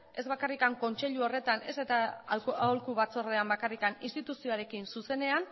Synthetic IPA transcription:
e̞zβakarikaŋko̞nt͡ʃe̞ʎuo̞re̞t̪ane̞set̪aaolkuβat͡so̞re̞ambakarikaninst̪it̪usio̞aɾe̞kinsuse̞ne̞an

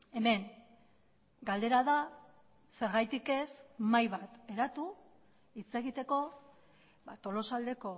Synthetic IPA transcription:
e̞me̞ŋ | ɡald̪e̞ɾaða | se̞ɾɣajt̪ike̞smajβat̪e̞ɾat̪u | it͡se̞ɣit̪e̞ko̞ | ba̰t̪o̞lo̞sald̪e̞ko̞

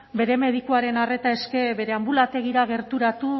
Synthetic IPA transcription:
be̞ɾe̞me̞ðikuaɾe̞nare̞t̪ae̞ske̞be̞ɾe̞ambulat̪e̞ɣ̞iɾaɣ̞e̞ɾt̪uɾat̪u

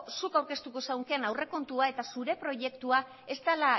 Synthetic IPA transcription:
sukawɾke̞st̪uko̞sawŋke̞nawre̞ko̞nt̪uae̞t̪asuɾe̞pɾo̞ʝe̞kt̪ua | e̞st̪ala

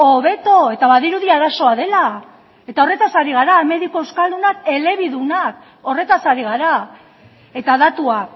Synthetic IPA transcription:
o̞βe̞t̪o̞e̞t̪aβaðiɾuðiaɾaso̞aðe̞la | e̞t̪ao̞re̞t̪asaɾiɣaɾame̞ðiko̞ewskald̪unak̚e̞le̞βiðunak | o̞re̞t̪asaɾiɣ̞aɾa | e̞t̪aðat̪ua

